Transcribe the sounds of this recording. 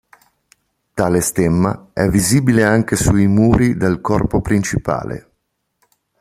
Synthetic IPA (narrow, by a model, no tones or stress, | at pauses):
t̪aːlest̪emːa̰ɛvːiziːbileaŋk̟esuimuːɾid̪elkɔrpopɾint͡ʃipa̰ːlḛ